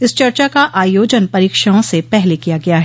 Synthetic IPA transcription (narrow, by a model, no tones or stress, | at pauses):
ɪst͡ʃɐɾt͡ʃakaʔaːjoːd͡ʒənpɐɾiːkʃaõsepɛɦlekijaɡɐjaɦɛ